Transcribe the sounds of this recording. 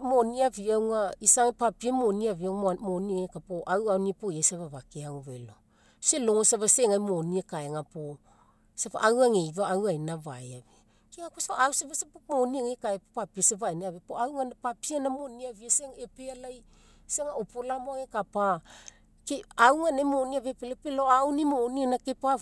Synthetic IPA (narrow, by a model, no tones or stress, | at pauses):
moniaviawŋaisaŋepapiamoniaviaŋmonieŋekapoʔawawnipoasaβaβakeaŋuβḛlo̞ | selo̞ŋosaβaseŋajmoniekaeŋapo | sapa̰ʔawaŋejvaːwajnava̰jave | keŋakosapaawsaβasapomoniaŋekaepopapiasavajniaβepoawŋanapapianamoniaviaseŋepealaj | seŋaopolamoaŋekapa | keawŋanemoniaβepelepeloawnimonianake̞pa